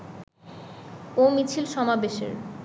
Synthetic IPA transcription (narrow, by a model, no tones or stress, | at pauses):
omit͡ɕʰilʃɔmabeʃḛɾ